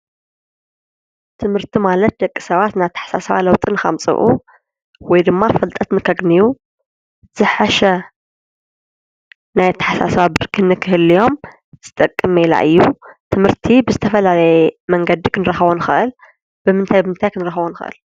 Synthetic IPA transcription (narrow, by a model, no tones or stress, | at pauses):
t̪ʰɨmhɨɾt̪ʰimalɐt̪̚d̪ɐkʼːi̥sɐβat̪nat̪ʰːḁħḁsa̰sɐβa̰lɐwt̪ʼɨnɨxɐ̰mt͡sʼɨ̰βʔṵ | wɔjd̪ɨmːafɨlt̪ʼɐt̪nɨkʰɐɡniju | z̥ɨħaʃɐ | najt̪ʰːɐ̥ħasa̰sɐβabɨɾkʰɨnːɨkʰɨhɨlːijo̞m | z̥ɨt̪ʼɐkʼːɨmela̰ʔɨjːut̪ʰɨmɨɾt̪ʰibɨzɨt̪ʰɐfɐlalɐjɛmɐŋɡɐd̪ikʰɨnɨɾɐxɐβonɨxɨ̰ʔɨl | b̥ɨmɨnt̪ʰajbɨmɨnt̪ʰajkʰɨnɨɾɐxɐβonɨxɨ̰ʔɨ̰l